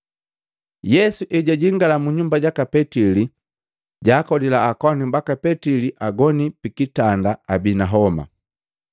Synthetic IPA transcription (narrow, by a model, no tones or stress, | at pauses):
jɛsuʔɛɟaɟiŋɡalamuɲumbaɟakapɛtili | ɟaːkɔdilaːkwanimbakapɛtiliʔaɡɔnipikitandaabinaɦɔma̰